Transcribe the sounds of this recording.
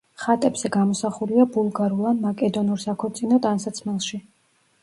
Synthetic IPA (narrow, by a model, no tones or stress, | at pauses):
χat̪ʼɛbz̥ɛɡamɔsaχuliabulˠɡaɾulˠamakʼɛd̪ɔnuɾsakʰɔt̪sʼinɔt̪ʼansat̪sʰmɛlˠʃi